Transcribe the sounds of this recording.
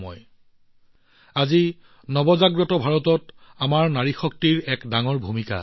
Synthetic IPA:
mɔ̰j | azi | nɔbɔzaɡɹɔtɔbʱaɹɔtɔtamaɹnaɹixɔk̚tiɹɛkdaŋɔɹbʱumika̰

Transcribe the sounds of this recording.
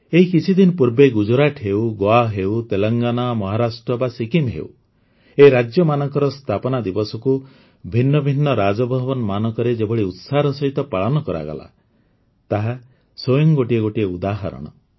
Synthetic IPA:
eɦikit͡ʃʰid̪inpuɾbeɡud͡ʒɔɾaʈʰɦewɡoaɦewt̪elɔŋɡanamɔɦaɾasʈɾɔbasikimɦḛṵ | eɾad͡ʒjɔmanɔŋkɔɾɔst̪ʰapɔnad̪ibɔsɔku | bʱinːɔbʱinːɔɾad͡ʒɔbʱɔbɔnmanɔŋkɔɾed͡ʒebɔɽiut̪saɾɔsɔɦit̪ɔpaɭɔnɔkɔɾa̰ɡɔ̰la̰ | t̪aɦa | sojɔŋɡoʈieɡoʈieud̪aɦa̰ɾɔ̰ɽ̃ɔ̰

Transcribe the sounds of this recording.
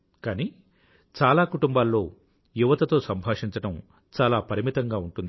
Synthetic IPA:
kaːni | t͡ʃaːlaːkuʈumbaːlːo̞ː | juʋɐt̪ɐt̪o̞ːsɐmbʱaːʂiɲt͡ʃɐʈɐm | t͡ʃaːlaːpɐɾimit̪ɐŋɡaːuɳʈund̪i

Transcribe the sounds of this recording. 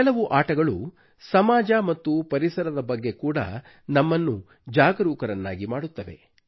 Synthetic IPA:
ɛlɐʋuʔaːʈɐɡɐɭṵ | sɐmaːd͡ʒɐmɐt̪ːupɐɾisɐɾɐd̪ɐbɐɡːe̞kuːɽɐ̰ | nɐmːɐnːu | d͡ʒaːɡɐɾuːkɐɾɐnːa̰ːɡimaːɽut̪ːɐʋe̞̰

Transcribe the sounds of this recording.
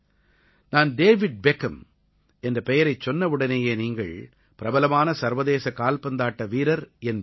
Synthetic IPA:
naːnɖeːʋɪɖ̚bɛkɐm | ɛndrɐpɛjɐɾɐɪt͡ʃːɔnːɐʋɯɽɐneːjeːniːŋɡɐɭ | pɪɾɐbɐlɐmaːnɐsɐɾʋɐðeːsɐkaːlpɐnd̪aːʈːɐʋiːɾɐɾɛn

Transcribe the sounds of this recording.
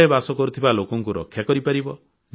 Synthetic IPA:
ebasɔkɔɾut̪ʰibalokɔŋkuɾɔ̰kʰːjakɔɾipaɾibɔ | d͡ʒ

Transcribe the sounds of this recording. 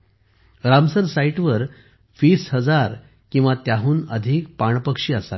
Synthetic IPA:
ɾamsəɾsaiʈʋəɾ | fiːshəd͡zaɾ | kĩw̃ʋat̪jaɦuːnəd̪ʱiːk̚paɳpəkʂiːəsa̰l

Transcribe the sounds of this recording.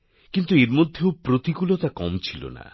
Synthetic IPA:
kint̪ueɾmod̪ʱjewpɾot̪ikulot̪akɔmt͡ʃʰilo̰na̰

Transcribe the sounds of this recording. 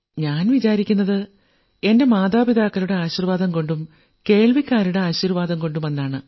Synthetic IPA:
ɲaːnʋit͡ɕaːɾikʲːunːɐðɨ | e̞nde̞maːd̪aːbiðaːkːɐluɽe̞aːɕirʋaːd̪ɐmko̞ɳɖum | ke̞ːɭʋikʲːaːɾuɽe̞aːɕirʋaːd̪ɐmko̞ɳɖumʋɐnːaːɳɨ

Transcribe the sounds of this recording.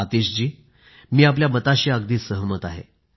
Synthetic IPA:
at̪iɕd͡ʑiː | miːap̬ljamət̪aɕiaɡd̪iːsəɦəmət̪aɦḛ

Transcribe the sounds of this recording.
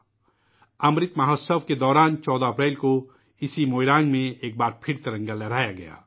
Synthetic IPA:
ɐmɾɪt̪maɦɔsəʋked̪ɔːɾaːnt͡ʃɔːd̪aɐpɾɛːlko | ɪsimoːɪɾaːŋɡmẽeːk̚baːɾpʰɪɾt̪ɐɾɐ̃ŋɡalɐɽaːjaɡɐja̰ː

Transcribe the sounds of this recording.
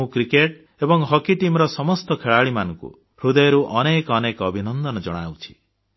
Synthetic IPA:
ũkɾikeʈ | ebɔŋɦɔkiʈimɾɔsɔmɔst̪ɔkʰeɭaɭimanɔŋkṵ | ɾud̪ɔjɔɾuʔɔnekɔnekɔbʱinɔnd̪ɔnɔd͡ʒɔɽ̃a̰wt͡ʃʰi̥

